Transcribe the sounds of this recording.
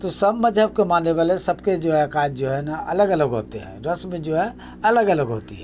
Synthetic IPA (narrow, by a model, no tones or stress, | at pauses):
t̪osəbməd͡ʒʱəb̚kemanːeβalesəbked͡ʒoɦɛkad͡ʒd͡ʒoɦɛnaʔələɡələɡɦo̰t̪eɦɛ̰ɾəsmẽd͡ʒoɦɛ | ɐləɡələɡɦo̰ːt̪ḭɦɛ